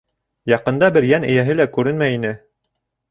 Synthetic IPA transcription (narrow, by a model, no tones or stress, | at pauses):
jɑqɤ̆nd̪ɑbɘɾjænɘ̰̆jæɦɘlækʉɾɘnmæjinɘ